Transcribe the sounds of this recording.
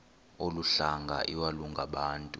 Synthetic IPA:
oluɬaŋɡʱa̰ʔiwaluŋɡʱaɓaːntʼu

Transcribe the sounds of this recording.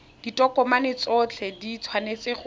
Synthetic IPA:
d̥itʼɔkʼɔmanɪt͡sɔt͡ɬʰɛdit͡sʰwanet͡sɪχ

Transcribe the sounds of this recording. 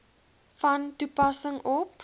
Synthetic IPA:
fɐntupɐsəŋɔp

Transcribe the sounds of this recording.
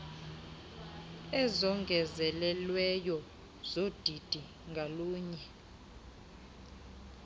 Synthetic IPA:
ɛzɔŋɡʱɛzɛlɛlwɛjɔ | z̥od̥ʱid̥ʱi | ŋɡʱaluːɲɛ

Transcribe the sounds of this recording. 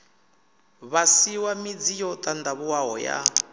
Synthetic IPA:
βasiwamid͡zijɔt̪ʼand̪aβuwaɦɔja̰

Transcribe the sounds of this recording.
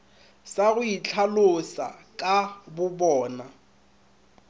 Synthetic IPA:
saɣʊit͡ɬʰalosa̰kʼabʊbɔːna

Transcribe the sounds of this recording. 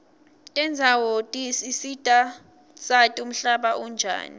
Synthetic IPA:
tʼɛnd͡zʱawotʼisisitʼa | satʼum̩ɬaɓaʔund͡ʒʱa̰ːni

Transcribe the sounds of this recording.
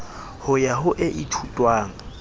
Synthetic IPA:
hʊjaɦʊʔɪʔitʰutʼwaːŋ̩

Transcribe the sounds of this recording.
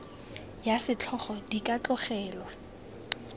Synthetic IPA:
jasɪt͡ɬʰɔχɔdikʼat͡ɬʼʊχɛːlwa

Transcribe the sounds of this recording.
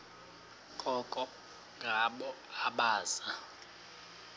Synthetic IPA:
kʼɔkʼɔ | ŋɡʱaɓɔ | aɓaːza

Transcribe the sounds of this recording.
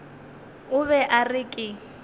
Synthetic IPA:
ʊβɛʔarɪkʼɪ

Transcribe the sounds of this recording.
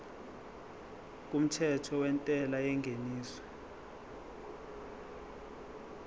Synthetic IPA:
k̬ʼum̩tʰɛtʰɔwɛntʼɛlajɛŋɡʱeniːswɛ̥

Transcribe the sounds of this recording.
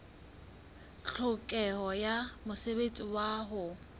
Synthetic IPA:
ɬʰʊkʼɛhɔjamʊsebet͡sʼiwaːɦʊ

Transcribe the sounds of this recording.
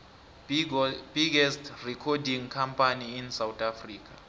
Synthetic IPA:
b̥iɡɛstʰrɛkʰɔdiŋkʰampʰʼaniːnsawtʰʼafriːk̬ʰa

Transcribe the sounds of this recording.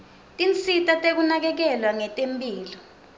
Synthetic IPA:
tʼint͡sʰʼitʼatʼek̬unak̬ɛk̬ɛlwaŋɛtʼempʼiːlɔ

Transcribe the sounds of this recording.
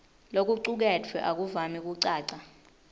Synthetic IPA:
lok̬uǀuk̬ɛtʰwɛʔak̬uvamik̬uǀaːǀa

